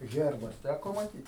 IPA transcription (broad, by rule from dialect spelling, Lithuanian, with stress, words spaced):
ˈɣʲɛrbɐs ˈtʲækoː mɐˈtʲiːt